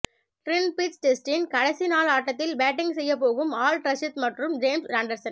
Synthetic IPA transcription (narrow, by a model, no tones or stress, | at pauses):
ʈɾɪnpit̪sʈɛsʈɪnkɐɽɐsinaːlaːʈːɐt̪ːɪlbaːʈːɪŋɡsɛjːɐpːoːɣɯmaːlʈɾɐsɪt̪mɐʈrɯmd͡ʒeːmsɾaːɳɖɐɾsɐn